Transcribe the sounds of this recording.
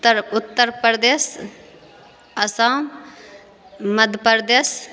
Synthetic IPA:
ʊt̪ːəɾpɾd̪eːs | ɐsãːm | mɐd̪ʱpəɾd̪eːs

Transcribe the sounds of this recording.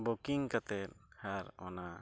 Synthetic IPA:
bukiŋkat̪ɛt̪̚haɾɔ̰na

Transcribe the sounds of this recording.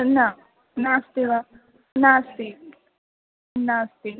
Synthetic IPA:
na | nast̪iʋa | nast̪i | nast̪i

